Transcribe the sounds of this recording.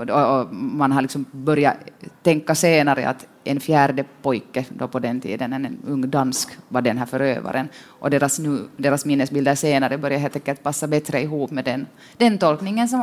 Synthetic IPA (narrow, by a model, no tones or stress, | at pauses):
ɔɔmanɦalɪksɔmbœɾjat̪ɛŋkːaseːnaɾə̰ʔa̰t̪ | ʔɛnfjæːɾɖəpɔjkːəd̪ɔpɔd̪ɛnt̪ʰḭːd̪ənɛnɛnɵŋːd̪anskvaɖɛnɦæːɾfœɾø̰ːva̰ɾənʔɔd̪eːɾasnʉːd̪eːɾasmɪnːəsbɪld̪əʂeːnaɾəbœɾjaɦelt̪ɛŋkːɛlt̪̚pasːabɛt̪ɾəɪɦuːpmɛd̪ɛn | d̪̥ɛnt̪ɔlknɪŋənsɔm